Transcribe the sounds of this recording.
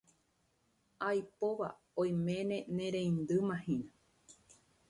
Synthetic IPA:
ajpoʋa̰ | õj̃mẽnẽ̞nẽɾẽĩnd̪ɨmãhĩna

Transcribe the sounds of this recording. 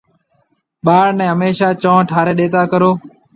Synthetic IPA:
ɓaːɽnɛ̃ːɦəmeːʃaːt͡ʃɔ̃ːʈʰaːɾeːɗeːt̪aːkəɾoː

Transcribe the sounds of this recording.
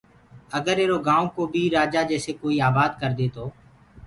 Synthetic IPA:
əɡəɾeːɾoːɡaːõkoːbʱiːɾaːd͡ʒaːd͡ʒɛːseːkoːiːaːbaːd̪kəɾd̪eːt̪oː

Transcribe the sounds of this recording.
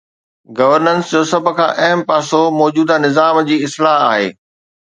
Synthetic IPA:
ɡɐʋəɾnə̃nsd͡ʑoːsɐb̆ʱkʰã̰ːʔɐɦəmpaːsomɔːd͡ʑuːd̪anɪzaːmd͡ʑiːɪslaɦaːɦḛː

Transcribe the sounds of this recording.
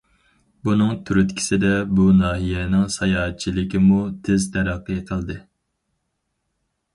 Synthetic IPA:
bunɨŋt̪ʰyɾyt̪kʲʰi̥sɪd̪ɛbunɑːɦijɛnɪŋsɑjɑːɦɛt̪̚t͡ʃʰilɪkʲimut̪ʰɪzt̪ʰæɾæqːəqʰəlˠd̪ɨ

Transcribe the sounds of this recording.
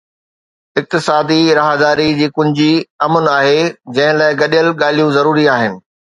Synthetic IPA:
ɪk̚t̪ɪsaːd̪iɾɐɦad̪aːɾid͡ʑiːkʊ̃ɪ̃d͡ʑiɐmənaːɦed͡ʑɐ̃ɦɪ̃laːɪɡɐɗijəlɠaːlijũzɐɾuːɾiaːɦɪnɪ̆

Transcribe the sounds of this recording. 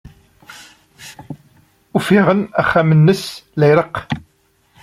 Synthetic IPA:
ufiʁənæχːæmənːəslæjɾəq

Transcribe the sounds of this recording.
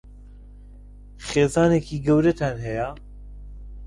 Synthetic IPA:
χeːzɑːnekʰiːɡɛwɾɛt̪ʰænɦɛja

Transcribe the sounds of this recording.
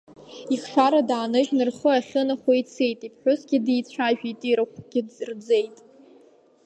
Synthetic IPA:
iχʂaɾadaːnɨʒnɨrχəaχʲɨnaχʷoit͡sʰejtʼipʰħʊsɡʲɪdijt͡sʷʰaʒᶣitʼiɾɨχʷɡ̥ʲɪrd͡ze̞jtʼ

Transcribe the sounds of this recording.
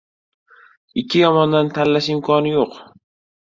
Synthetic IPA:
ɪkʲʰːɪjɒmɒnd̪ant̪ʰanlːaʃɪmkʰɒnɪjoq

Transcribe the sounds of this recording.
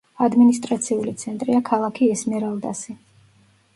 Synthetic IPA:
ad̪minist̪ʼɾat̪sʰiulit̪sʰɛnt̪ʼɾiakʰalˠakʰiɛsmɛɾalˠd̪a̰si

